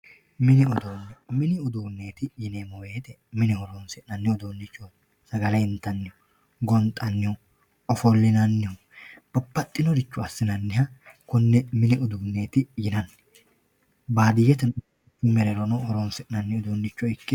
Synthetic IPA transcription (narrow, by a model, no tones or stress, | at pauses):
mɪnɪɔd̪oːnːɛmɪnɪɔd̪uːnːe̞ːt̪ɪjɪneːmɔwe̞ːt̪ɛ | mɪnɪhɔɾoːnsɛnɐnːɪɔd̪oːnːɪt͡ʃːɔ | sɐɡɐlɐjɪnt̪ːɐnːɪɔ | ɡɔnt̪ʼːɐnːɪɔ | ɔfɔlːɪnɐnːɪɔ | b̥ɐpːɐt̪ʼːɪnɔd̪ɪt͡ʃːʊɐsːɪnɐnːɪhɐkʊnːɛmɪnɪʔɔd̪uːnːe̞ːt̪ɪjɪnɐnːɛ̥ | baːd̪ɪjɛt̪ɛ | mɛɾɛɾɔnɔhɔɾɔnsɪnɐnːɪɔd̪oːnːɪt͡ʃːɔɪkːɛ